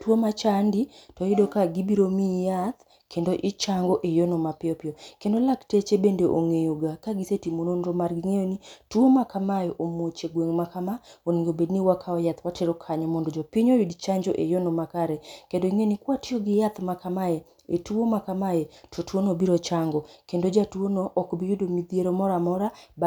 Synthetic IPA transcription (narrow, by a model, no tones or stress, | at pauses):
tuomat͡ʃanditɔjidokaɡibiɾomijat̪ | kʰendoʔɪt͡ʃaŋɡɔʔejonɔmapɪɔpɪɔkendolaktet͡ʃebendeʔoŋejoɡakaɡisetimononɾɔmarɡɪŋejonitwomakamajɔʔomot͡ʃeɡweŋmakamaoniŋɡobedniwakʰaɔjat̪wateɾɔkʰaɲɔmɔndɔd͡ʒɔpiɲojidt͡ʃaɲd͡ʒo̰ʔḛjonomakaɾɛkendoiŋenikwatɪoɡɪjat̪makamaje | etuomakamajetʰotwonobiɾot͡ʃaŋɡɔkendod͡ʒatuonoʔːkbijudomid̪ieɾomɔɾamɔɾab